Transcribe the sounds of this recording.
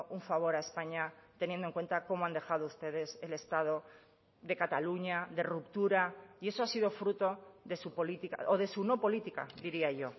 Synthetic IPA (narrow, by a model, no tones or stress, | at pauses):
ʔuɱfaβ̞o̞ɾae̞spaɲat̪e̞njend̪o̞ŋkwe̞nt̪ako̞moand̪e̞xað̞oust̪e̞ð̞e̞se̞le̞st̪að̞o̞ | ðe̞kat̪aluɲaðe̞rupt̪uɾaie̞soasið̞o̞fɾut̪o̞ðe̞supo̞lit̪ika̰ʔoðe̞suno̞po̞lit̪ika̰d̪iɾiaʝo̞